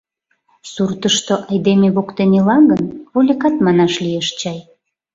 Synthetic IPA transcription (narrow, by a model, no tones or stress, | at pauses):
surt̪əʃt̪oʔɑjd̪emeβokt̪enelɑŋɡənβolʲekɑt̪mɑnɑʃlieʃt͡ɕɑj